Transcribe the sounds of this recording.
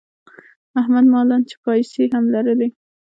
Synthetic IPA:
ahmad̪mɑlɑnt͡ʃe̥pɑjseɦamlaɾəle

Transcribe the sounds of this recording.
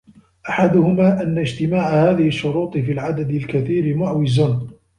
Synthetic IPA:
ʔaħad̪ʊhʊmaːʔanːad͡ʒt̪ɪmaːʕahaːðɪhɪʃːʊɾuːt̪ˤɨfiːlʕad̪ad̪ɪlkaθiːɾɪmʊʕwɪzan

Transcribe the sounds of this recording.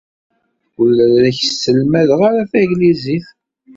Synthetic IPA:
əlːɾɾæçsːəlmæðəʁaɾafæɡliziθ

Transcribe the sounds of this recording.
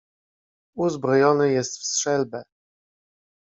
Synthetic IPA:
uzbɾɔjɔnɘjɛst̪fstʂɛlbɛ

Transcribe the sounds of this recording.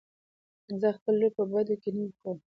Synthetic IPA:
zəxpəlːojpəbad̪okeniwikəm

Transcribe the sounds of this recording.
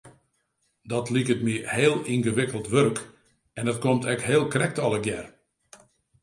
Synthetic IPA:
dɔtlikətmiəheːlˠinɣəʋɪkəlˠtʋørk | ɛndɔt̚komtʰɛkɦeːlˠkrɛk̚tɔlˠəɡjɛr

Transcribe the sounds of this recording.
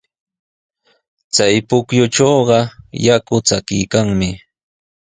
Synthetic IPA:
t͡sajpʊkjʊʈ͡ʂoːɢɑjakʊt͡sakɪjkaŋmɪ

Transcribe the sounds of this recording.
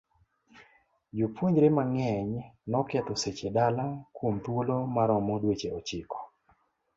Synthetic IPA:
d͡ʒupʰwoɲd͡ʒɾemaŋɛɲnɔkɛt̪ɔset͡ʃedalakwomt̪wolomaɾɔmodwet͡ʃeɔt͡ʃɪkɔ̥

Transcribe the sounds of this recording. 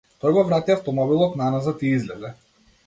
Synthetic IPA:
t̪ɔjɡɔvɾat̪jaft̪ɔmɔbilˠɔt̪nanazat̪iizlɛd̪ɛ

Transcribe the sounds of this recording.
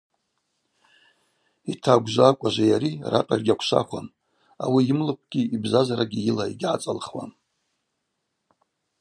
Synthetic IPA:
itʰaɡʷʒʷakʷʼaʒʷajaɾira̰tʼarɡʲakʷʰʃʷa̰χʷan | awiɪmlɨp̚ʰʷɡ̥ʲiibzazaɾaɡʲijɪlaiɡʲʕat͡sʼalχwa̰n

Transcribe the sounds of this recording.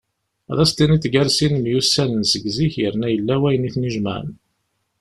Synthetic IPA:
ðˤɑst̪iniθɡæɾsinəmjusːænənsəɡziçjəɾnæjəlːæwæjəniθniʒmə̰ʕə̰n

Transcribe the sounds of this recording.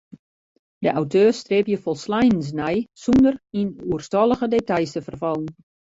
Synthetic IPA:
dəʔawtʰøːrstrepjəfɔlˠslajəns̬nɛjsundərinuərstɔlˠəɣədetajsəfərfɔlˠən

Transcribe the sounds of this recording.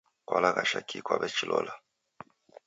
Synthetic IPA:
kwalakaʃakʰikwabɛt͡ʃilɔla

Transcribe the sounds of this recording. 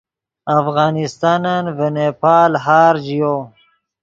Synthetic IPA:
afɣɑːnist̪ɑːnanvenepaːlɦaːɾd͡ʒijo

